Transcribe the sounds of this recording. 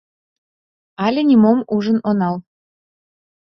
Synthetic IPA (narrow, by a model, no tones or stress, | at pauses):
ɑlʲĕnʲimomuʒənonɑl